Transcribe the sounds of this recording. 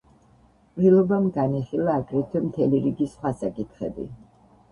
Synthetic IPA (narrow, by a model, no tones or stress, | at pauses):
pʼlilˠɔbamɡaniχilˠaːɡɾɛt̪ʰwɛmt̪ʰɛliɾiɡisχwasakʼit̪ʰχɛ̰bḭ